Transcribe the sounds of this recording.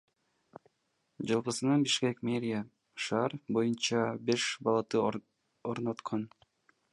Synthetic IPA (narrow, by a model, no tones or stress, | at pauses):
d͡ʒɯlˠʁɯzɯnɑnbiʃke̞kmʲeɾʲɪja | ʃɑːɾbo̞junt͡ʃɑbeʃbɑlˠɑt̪ɯ | oɾnot̪qʰɑn